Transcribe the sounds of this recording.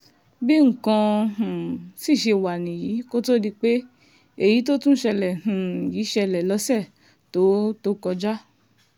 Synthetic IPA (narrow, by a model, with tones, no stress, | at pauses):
bi˦ŋ̩˨kã˧ũ˨si˦˨ʃe˧˨wa˨nĩ˨jiː˨˦ko˦to˦di˧k͡pe˦ | e˦˨ji˨˦t̬o˦tũ˦ʃɛ˧lɛ˨ũ˨ji˨˦ʃɛ˧lɛ˨lɔ˨˦sɛ˦˨ | to˨˦to˦kɔ˧d͡ʒa˦